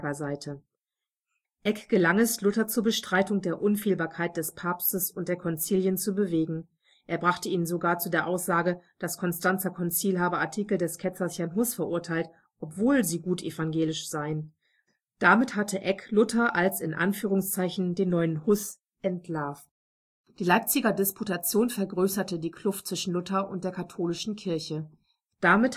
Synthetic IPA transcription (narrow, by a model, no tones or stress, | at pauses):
ɐzaɪtʰə | ʔɛkɡ̥əlaŋɛslʊtɐt͡suːɐbəʃtʁ̥aɪtʊŋdeːɐʔʊnfiːlbaːɐkʰaɪt̚d̥ɛspʰaːpstəsʊnt̚d̥eːɐkʰɔnt͡siːljənt͡subəveːɡŋ̩ | ʔʔeːɐbʁaχtəiːnnzoɡaːɐt͡sudeːɐʔaʊsz̥aːɡəd̥askʰɔnstant͡sɐkʰɔnt͡siːlɦaːbəaɐtʰiːkl̩dɛskʰɛt͡sɐshaɐnɦʊsfɛɐʔʊɐtʰaɪlt | ʔɔpv̥oːlziːɡuːtʰefanɡeːlɪʃz̥aɪən | d̥amɪthatʰəʔɛklʊtʰɐʔalsɪnʔa̰nfyːʁʊŋst͡saɪçn̩deːnːɔʏənhʊs | ʔɛntʰlaɐf | d̥iːlaɪp̚t͡sɪɡɐdɪspʰutat͡sjoːnfɛɐɡʁøːsɐtədiːkʰl̥ʊftt͡sv̥ɪʃn̩lʊtɐʔʊnt̚d̥eːɐkʰatʰoːlɪʃn̩kʰɪɐçə | d̥amɪt